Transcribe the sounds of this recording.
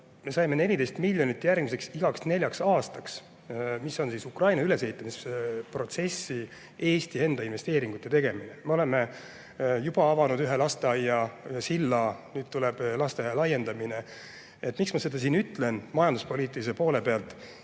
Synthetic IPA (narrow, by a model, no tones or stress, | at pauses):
me̞sɑjme̞ne̞lʲid̪e̞jst̪milʲjo̞nit̪ːˑjærɡmise̞ksiɡ̥ɑksne̞lʲjɑksɑːst̪ɑks | miso̞nsiːsukrɑjnɑyle̞s̬e̞it̪ːˑɑmispro̞t̪se̞sːi | e̞ːst̪ie̞nd̪̥ɑinve̞st̪e̞ːɾiŋɡ̥ut̪ːˑe̞t̪e̞ɡ̥e̞mineme̞o̞le̞me̞ | jub̥ɑɑvɑnud̪yɦe̞lɑst̪eɑjːɑsilːɑnyːd̪̥̚t̪uleb̥lɑst̪eɑjɑlɑje̞nd̪ɑmine̞ | et̪ːˑmiksmɑse̞d̪ɑs̬iːnyt̪le̞nmɑjɑnd̪uspo̞lʲiːt̪ːˑilisepo̞ːle̞pe̞ɑlt̪ːˑ